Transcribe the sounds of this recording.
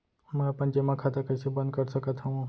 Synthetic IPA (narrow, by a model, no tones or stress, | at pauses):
mɛ̃ɐpə̃nd͡ʒemãkʰaːt̪akɐjsebə̃nd̪kɐɾsɐkət̪ɦɐũ